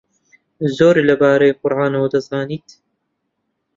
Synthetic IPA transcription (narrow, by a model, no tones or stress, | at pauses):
zoːɾlɐbaːɾɐjqʊɾʕaːnɐwɐd̪ɐzaːniːt̪